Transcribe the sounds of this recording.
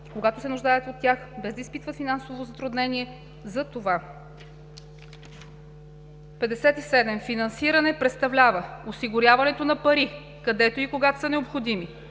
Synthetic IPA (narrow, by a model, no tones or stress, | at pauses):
koɡat̪osɛnʊʒd̪aɛt̪ot̪ːjaxbɛzd̪ɐispit̪vət̪finansovozɐt̪ɾʊd̪nɛniɛ | zɐt̪ova | pɛd̪ɛsɛt̪isɛd̪ɛmfinɐnsiɾɐnɛpɾɛt̪st̪ɐvlʲavəosiɡʊɾʲjavɐnɛt̪onɐpɐɾi | kɐd̪ɛt̪oikoɡat̪o̥sɐnɛopxod̪imi